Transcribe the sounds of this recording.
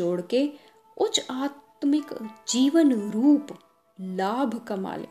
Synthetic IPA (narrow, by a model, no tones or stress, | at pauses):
oːɽke | ʊt͡ʃaːt̪mɪkd͡ʒiːʋənɾuːp | laːbʱkɐma̰ːlḛ